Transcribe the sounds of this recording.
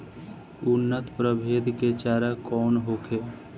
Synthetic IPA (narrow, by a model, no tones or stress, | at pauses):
unːət̪pɾəbʱed̪ʱket͡ʃaːɾakɔːnɦokʰe